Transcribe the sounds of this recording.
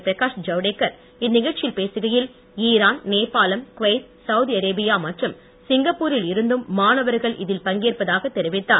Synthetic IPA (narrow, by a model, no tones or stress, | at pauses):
pɪɾɐkaːʂd͡ʒɐʋɽeːkːɐɾ | ɪnːɪɣɐɻt͡ʃɪlpeːsɯɣɐjɪl | iːɾaːnneːpːaːlɐmkʊʋɐɪt̪̚ | sɐwʊðiɐɾeːbɪjaːmɐʈrɯm | sɪŋɡɐpːuːɾɪlɪɾɯnd̪ɯmːaːnɐʋɐɾɣɐɭʔɪ̰ðɪlpɐŋɡeːrpɐðaːɣɐt̪ːɛɾɪʋɪt̪ːaː